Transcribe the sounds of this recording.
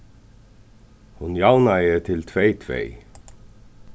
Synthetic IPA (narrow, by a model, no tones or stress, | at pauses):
hʊnjɑwnɑet̪ʰɪlt̪ʰʋeɪt̪ʰʋḛɪ